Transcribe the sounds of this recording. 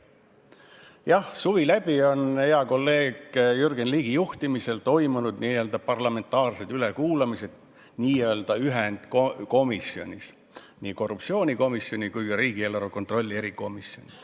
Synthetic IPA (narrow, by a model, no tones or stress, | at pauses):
jɑhsuvilæb̥io̞neɑko̞lːe̞ːɡ̥jyrɡ̥enliːɡ̥ijuht̪imise̞lt̪o̞jmunud̪̥niːø̞ːld̪ɑpɑrlɑme̞nt̪ːˑɑːrse̞d̪yle̞kuːlɑmise̞d̪̥̚ | niːeøld̪̥ɑyɦend̪̥koko̞misio̞̰nʲis | niːko̞rːupt̪sio̞ːnʲiko̞misːjo̞nʲikujɡ̥ɑɾiːɡ̥ielːɑɾoko̞nt̪ro̞lʲːie̞ɾiko̞miso̞̰nʲi